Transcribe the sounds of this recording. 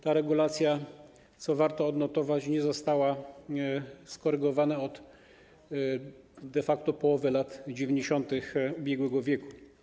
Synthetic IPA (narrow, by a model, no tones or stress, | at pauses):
t̪aɾɛɡulat̪sʲja | t̪sɔvaɾt̪ɔːd̪nɔt̪ɔvat͡ɕɲɛzɔst̪awa | skɔɾɘɡɔvanaɔd̪ | d̪ɛfakt̪ɔpɔwɔvɘlat̪d͡ʑevʲjeɲd͡ʑeɕɔnt̪ɘxubʲjɛɡwɛɡɔvʲjɛku̥